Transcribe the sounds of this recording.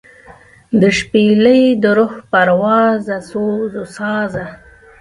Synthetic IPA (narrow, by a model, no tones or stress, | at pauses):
d̪əʃpeləjd̪əɾʊxpaɾwɑzasozosɑːza